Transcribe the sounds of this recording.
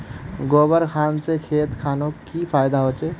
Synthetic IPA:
ɡobəɾkʰaːnsekʰet̪kʰanokipʰajd̪aɦot͡ʃe

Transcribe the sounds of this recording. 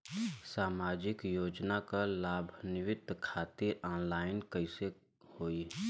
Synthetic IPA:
saːmaːd͡ʒɪkjoːd͡ʒnakalaːbʱnɪʋɪd̪ʱkʰaːt̪iɾɔ̃ːnlaːɪnkəɪse | hoːi

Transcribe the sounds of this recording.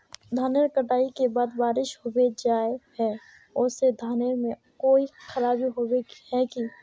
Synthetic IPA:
d̪ʱaːneɾkəʈaːikebaːd̪baːɾɪʃɦobed͡ʒaːehɛ | ʊsed̪ʱaːneɾmẽ | koːixʰəɾaːbiɦobehɛki

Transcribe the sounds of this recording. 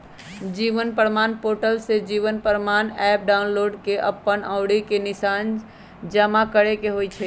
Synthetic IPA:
d͡ʒiʋənpəɾmanpoʈəlsed͡ʒiʋənpəɾmanɛp̚ɖaʊnloɖkeʔəpːənaʊɽikenisan | d͡ʒəmakəɾekeɦojt͡ʃʰɛ

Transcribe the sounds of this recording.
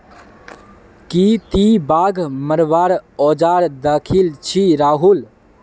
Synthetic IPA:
kit̪ibaːɡʱməɾʋaːɾɔːd͡ʒaːɾd̪əkʰilt͡ʃʰiɾaːɦul

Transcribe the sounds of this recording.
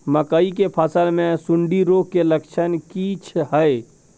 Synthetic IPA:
məkəik̬epʰəsəlmẽsʊɳɖiɾoːkkːeləkt͡ʃʰənkit͡ʃʰɦəe

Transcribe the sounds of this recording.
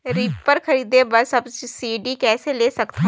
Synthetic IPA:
ɾiːppəɾxɐɾiːd̪ebɐɾsɐbd͡ʒsiːɖikɛːseleːsɐkt̪a

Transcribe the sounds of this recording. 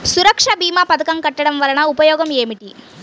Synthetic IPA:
suɾɐkʂɐbiːmaːpɐd̪ɐkɐmkɐʈːɐɽɐmʋɐɾɐɳɐupɐjoːɡɐmeːmiʈi

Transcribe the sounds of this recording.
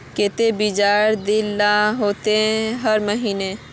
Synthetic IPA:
ket̪ebid͡ʒaːɾd̪ɪlːaɦoːt̪ẽɦəɾməɦiːne

